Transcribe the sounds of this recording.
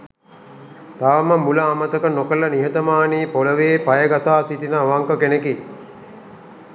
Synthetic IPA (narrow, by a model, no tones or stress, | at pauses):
t̪aʋməmuləamət̪əkənokəlɐniɦət̪əmaːniːpoləʋeːpajəɡasaːsit̪inəːʋaŋkəkeneki